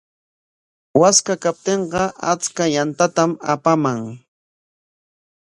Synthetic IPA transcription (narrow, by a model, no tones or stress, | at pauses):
waskakap̚t̪eɴɢɑa̰t͡skajant̪at̪ama̰pamaŋ